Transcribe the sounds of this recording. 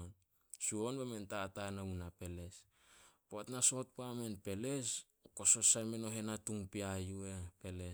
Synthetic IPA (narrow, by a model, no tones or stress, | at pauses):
n | suo̞nbeme̞ntatanaunape̞le̞s | poatnaso̞t̚pame̞npe̞le̞s | okoso̞sajmeno̞ɦe̞natuŋpiajuepe̞le